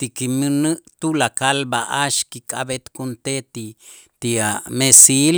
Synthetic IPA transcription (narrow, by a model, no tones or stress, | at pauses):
t̪ikiminɨt̪ulakalbaʔaʃkikʰʼa̰bet̪kunt̪et̪i | t̪iamesil